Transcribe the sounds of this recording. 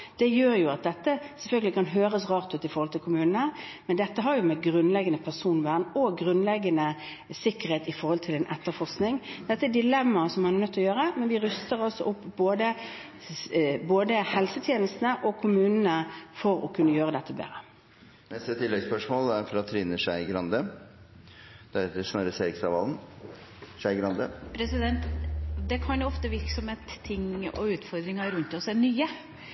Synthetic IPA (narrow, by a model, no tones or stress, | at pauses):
d̪̥ɛjøːɾjʊɑt̪̚d̪ɛt̪ːəsɛlfœlɡəlɪkʰɑnɦøːɾəsʁɑːʁt̪ʉːt̪ɪfɔɾʁhɔlt̪ʰɪlkʊmʉːnnəmɛnd̪ɛt̪ːəɦɑɾjʊmɛɡɾʉnlɛɡənəpʰæsuːnʋæːənɔɡɾʉnlɛɡːənə | sɪkːəɾheːt̪ɪfɔɾhɔlt̪ʰɪlɛnʔɛt̪ːəfɔʁsknɪŋd̪̥ɛt̪ːəædɪlɛmːɑsɔmhɑnɛʁnœt̪ʰːɔjøːɾəmɛnʋɪɾʏst̪əɾɔsːɔʔʊpːboːd̪ə | boːd̪əhɛlsət̪ʰjeːnəst̪nəʔɔkʰʊmʉːnənəfɔɾɔkʰʉnːəjøːɾəd̪ɛt̪ʰːəbḛːɾə | nɛst̪ət̪ʰɪlːɛɡspœʂmoːlæɾfɾɑt̪ʰːɾɪnːəʂæɪɡɾɑnd̪ə | d̪̥æɾd̪əsnɑɾəseːɾɪksɑʋɑln | ʂæɪɡɾɑnd̪əpʰɾɛsɪd̪ɛnt̪d̪ɛkʰɑnjʊɔft̪əʋɪɾksɔmheːt̪ʰːɪŋɔ̰ʉːt̪fɔɾd̪ɾɪŋɑɾʉnt̪ɔsɛnyːə